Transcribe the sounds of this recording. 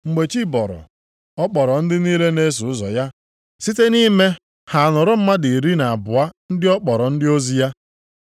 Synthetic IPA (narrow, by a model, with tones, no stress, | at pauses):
ŋ͡m̩˨ɡ͡be˨t͡ʃi˦bɔ˨ɾɔ̰˨ | ɔ˦k͡pɔ˨ɾɔ˨n̩˦dɪ˦ni˦le˦ne˦s̬u˨ʊ˦zɔ̰˨ja˦ | si˦te˦ni˦me˦ | ha˨a˨nɔ˨ɾʊ˦m̩˦ma˦di˨ɾi˦na˨a˨bʊ˨a˦n̩˦dɪ˦ɔ˦k͡pɔ˨ɾɔ˨n̩˦dɪ˦o˦zi˦ja˦